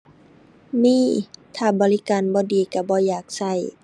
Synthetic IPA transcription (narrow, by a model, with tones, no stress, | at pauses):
miː˧˥˨t̪ʰaː˧˩bɔː˨li˦kaː˨nbɔː˧˦diː˨˩ka˧˩bɔː˧˦jaː˨˩k̚sa˧˩j